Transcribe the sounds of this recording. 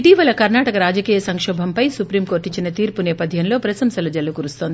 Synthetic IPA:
iʈiʋɐlɐkɐɾnaːʈɐkɐɾaːd͡ʒɐkiːjɐsɐŋkʂɔːbʱɐmpɐjsupɾiːmko̞ːɾʈːiɲt͡ʃːinɐt̪iːɾpunɛːpɐd̪ʱjɐnlo̞ːpɾɐsɐmsɐlɐd͡ʒɐlːukuɾust̪oːnd̪i

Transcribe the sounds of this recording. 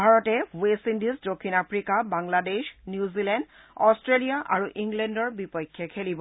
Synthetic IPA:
bʱaɹɔtɛwestindizdokʰːinapʰɹikabaŋladeʃnjuzilɛnd | ɔstɹelijaʔa̰ɹuʔiŋɡlɛndɔɹbipɔjkʰːjɛkʰelibɔ

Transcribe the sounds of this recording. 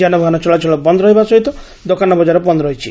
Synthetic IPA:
d͡ʒanɔbʱaɦanɔt͡ʃɔɭat͡ʃʰɔɭɔpɔnd̪ɾɔɦibasɔɦit̪ɔ | d̪okanɔbɔd͡ʒaɾɔpɔnd̪ɾɔɦit͡ʃʰi

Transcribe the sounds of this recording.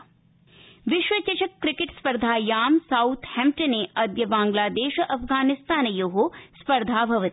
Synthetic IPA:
ʋiʃʋɐt͡ʃɐt͡ʃɐkːɾɪkeʈspɐɾd̪ʱaːjaːmsɐwt̪ʰhɛmʈɐneːɐd̪jɐbaːŋɡlaːd̪eːʃɐʔɐpʰɡaːnist̪aːnɐjoɦospɐɾd̪ʱaːbʱɐʋɐt̪

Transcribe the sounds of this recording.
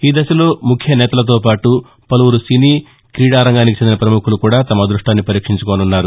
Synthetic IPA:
iːd̪ɐsɐlo̞ːmukʰjɐnɛːt̪ɐlɐt̪̬oːpaːʈu | pɐlɐwuɾusiniː | kɾiːɽaːɾɐŋɡaːnikit͡ʃend̪inɐpɾɐmukʰulukuːɽaːt̪ɐmɐd̪ɾuʂʈaːnːipɐɾiːkʂiɲt͡ʃukonunːaːɾu

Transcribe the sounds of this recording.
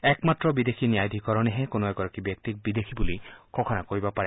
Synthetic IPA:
ɛkmatɹɔbid̪exʰinijajd̪ʱikɔɹɔnɛɦɛkonoɛɡɔɹakibjɔk̚t̪ik̚bid̪exʰibulikʰɔkʰɔnakoɹibɔpaɹɛ

